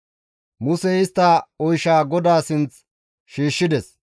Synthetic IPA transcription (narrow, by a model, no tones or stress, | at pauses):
mʊsɛɪst̪ːɐɔjʃaːɡɔd̪aːsɪnt͡s | ʃiːʃːɪd̪ɛs